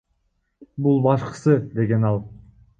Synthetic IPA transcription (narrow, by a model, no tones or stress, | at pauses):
bulˠbɑʃqə̥sɯd̪e̞ɡenɑlˠ